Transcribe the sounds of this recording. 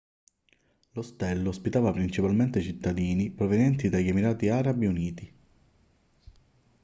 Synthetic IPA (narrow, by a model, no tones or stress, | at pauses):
lost̪ɛlːospit̪aːvapɾint͡ʃipalment̪et͡ʃit̪ːad̪iːnipɾovenjɛnt̪id̪ajemiɾaːt̪iaːɾabiuniːt̪i